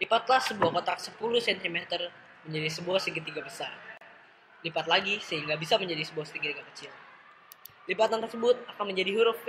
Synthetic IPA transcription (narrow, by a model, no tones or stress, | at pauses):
lipat̪lahsəbuahkot̪aksəpuluhsɛnt̪imet̪ər | məɲd͡ʒadisəbuahsiŋɡit̪iɡabəsa̰r | lipat̪laɡisəɦiŋɡabisaməɲd͡ʒadisəbuahsə̥t̪iŋɡit̪iɡakət͡ʃɪl | libat̪ant̪ərsəbʊt̪̚akanməɲd͡ʒadiɦuɾʊf